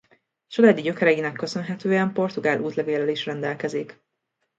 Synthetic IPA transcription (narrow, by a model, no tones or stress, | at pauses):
t͡ʃolaːd̪iɟø̞kɛɾɛinɛkːøsø̞nɦɛt̪øːɛmpo̞rt̪uɡaːlʔuːt̪lɛveːlɛliʃrɛnd̪ɛlkɛzik